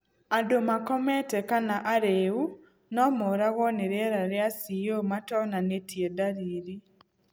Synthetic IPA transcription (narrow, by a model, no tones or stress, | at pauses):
adomakɔmɛtɛkanaʔaɾeu | nɔmɔɾaɣɔneɾɛɾaɾeasiomatɔnanetjedaɾiːɾi